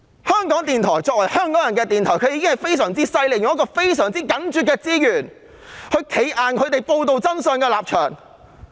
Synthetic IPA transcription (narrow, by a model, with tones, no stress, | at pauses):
hœː˥ŋkɔː˨˥ŋt̪iː˨nt̪ʰɔː˨˩jt͡sɔː˧k̚wɐ˨˩jhœː˥ŋkɔː˨˥ŋjɐ˨˩nkɛː˧t̪iː˨˩nt̪ʰɔː˨˩kʰɵ˧jiː˨˧kɪ˥ŋhɐ˨˩jfe˥jsœː˨˩ŋt͡siː˥sɐ˧jle˨˩jʊ˨ŋjɐ˥kɔː˧fe˥jsœː˨˩ŋt͡siː˥kɐ˨˥nt͡ʃyː˨t̚kɛː˧t͡siː˥jyː˨˩n | hɵ˨˧ɥkʰe˨˥jʔaː˨nkʰɵ˨˧ɥt̪e˨jpo˧wt̪o˨wt͡sɐ˥nsœː˨˧ŋkɛː˧laː˨p̚t͡ʃʰœː˨˩ŋ